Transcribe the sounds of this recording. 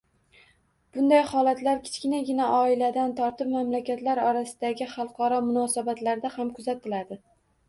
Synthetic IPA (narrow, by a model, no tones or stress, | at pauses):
b̥ʊnd̪ajhɒlat̪laɾkʲʰɪ̥t͡ʃʲkʲɪnaɡʲɪnaʔɒɪlad̪ant̪ʰɒɾt̪ɪpmamlakʲat̪laɾɒɾasɪd̪̥aɡʲɪχɑlˠqʰɒɾɒmʊnɒsabat̪laɾd̪ahamkʰʊzat̪ːɪlad̪ɪ